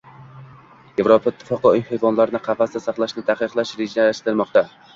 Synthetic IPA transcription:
jevɾopʰaɪt̪ʰːɪ̥fɒqɨʊjhejvɒnlaɾɪnɪqʰɑfast̪asɑχlˠaʃnɪt̪ʰaqɨqlˠaʃɾed͡ʒnaaʃt̪ɪɾmɒqt̪a

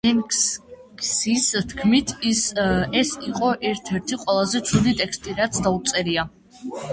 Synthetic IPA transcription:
ɛm | ksist̪ʰkʰmit̪ʰ | ɛsiqʼɔʔɛɾt̪ʰɛɾt̪ʰiqʼwɛlˠazɛt̪sʰud̪it̪ʼɛkʰst̪ʼiɾat̪sʰd̪aut̪sʼɛɾia

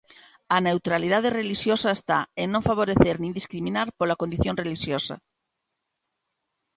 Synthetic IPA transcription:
ane̞wt̪ɾaliðað̞ereliʃjosaest̪aenːõɱfaβ̞oɾeθeɾnĩnd̪iskɾimĩnaɾpolakond̪iθjõ̞nre̞liʃjosa̰

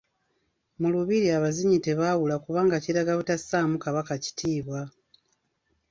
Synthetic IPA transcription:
muluβiɾiaβaziɲite̞βaːwulakuβaːŋɡaciɾaɡaβutasaːmukaβakaci̥tʰiːβwa

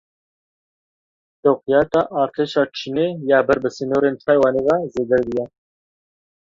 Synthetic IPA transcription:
t̪owqijɑːt̪ɑːʔɑːɾt̪ʰeːʃɑːt͡ʃʰineːjɑːbɛɾbəsinoːɾeːnt̪ʰɑːjwɑːneːvɑzeːd̪ɛɾd̪ijɛ

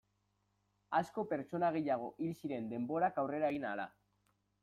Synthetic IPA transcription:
asko̞pe̞ɾt͡ʃo̞naɣ̞e̞jaɣ̞o̞ʔilsiɾe̞nd̪e̞mbo̞ɾakawre̞ɾaeɣinala̰

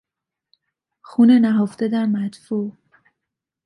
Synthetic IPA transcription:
xuːnenæɦoft̪ed̪æɾmæt̪fu

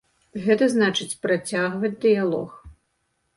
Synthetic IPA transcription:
ɣɛt̪ɐznat͡ʂɨt͡sʲpɾat͡sʲaɣvɐd͡zʲd̪ɨjalˠɔ̰x

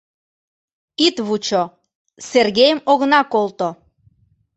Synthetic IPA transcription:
it̪βut͡ɕo | serɣejəmoɣnɑkolt̪o

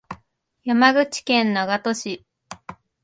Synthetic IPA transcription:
jamaɡɯ̟t͡ɕi̥kẽ̞nːoɡat̪o̞ɕi

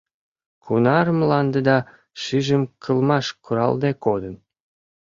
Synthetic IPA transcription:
kʰunɑrəmlɑnd̪ĕd̪ɑ | ʃiʒəmkʰəlmɑʃkuɾɑ̰ld̪ekod̪ə̆n

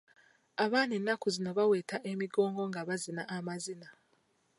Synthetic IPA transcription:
aβaːnenːakuzino̞βawe̞ːtaʔe̞miɡo̞ːŋɡo̞ŋɡaβazinaʔːmazina

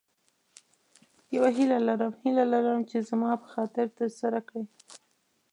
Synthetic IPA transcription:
jawaɦilalaɾəmhilalaɾaəmt͡ʃezmɑpə̥xɑt̪ɪɾt̪əɾsaɾakɽe

